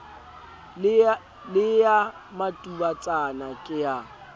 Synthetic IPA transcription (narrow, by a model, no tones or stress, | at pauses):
lɪja | matʼubat͡sʼanakʼɪja